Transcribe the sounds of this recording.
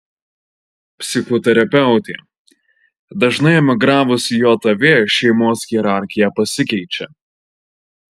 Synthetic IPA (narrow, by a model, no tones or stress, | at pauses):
pʲsʲɪxɔt̪ʲɛɾʲɐpʲɛʊt̪ʲḛ | d̪ɐʒnɐɪɛmʲɪɡɾɑːʋʊsʲɪjoːt̪ɐʋʲeːʃʲɛɪmoːsɣʲiɛɾɑˑɾʲxʲɪjɛpɐsʲɪkʲɛɪt͡ʃʲɛ̰